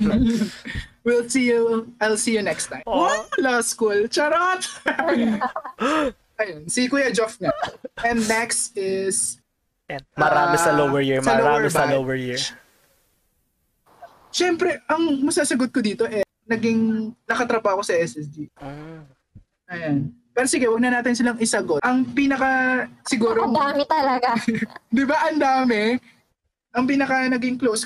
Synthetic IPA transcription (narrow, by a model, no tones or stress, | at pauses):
wilsijuʔajlsiːjɔnɛkst̪ːãjmolaskult͡ʃɐɾat̪ | ʔɐjonsikʊjad͡ʒofnɐɛnːɛksɪs | ʔɛmɐɾaːmɛsɐlowwɛɹjiɹmɐɾamɛsbɐlowɛɹjiɹ | ʃɛmpɾɛʔɐŋmɐsaːsɐɡot̪̚kod̪iːt̪o̞ʔɛ | nɐɡɪŋnɐkɐt̪ɾɐbaːho̞sɐʔɛsɛsd̪io | ʔɐjanpɛːɾosiɡɛwɐɡ̚nɐnaːt̪ɪnsɪlaŋɪsɐɡot̪ʔɐŋpiːnɐkɐsɪɡuːɾod̪aːmɛt̪ɐlɐɡad̪ɪbaʔɐnd̪aːmɛ | ʔɐŋp̬iːnɐkɐnɐɡɪŋklows